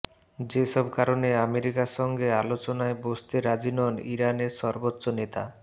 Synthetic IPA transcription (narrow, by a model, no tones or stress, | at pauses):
d͡ʑeʃɔbkaɾoneameɾikaʃɔŋɡealot͡ɕonaebost̪eɾad͡ʑinɔniɾaneɾʃɔɾbotːɕonet̪a̰